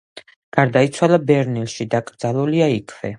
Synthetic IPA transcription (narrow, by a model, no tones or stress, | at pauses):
ɡ̥aɾd̪ait̪sʰwalˠabɛɾnilʃid̪akʼɾd̪zalˠuliaikʰvɛ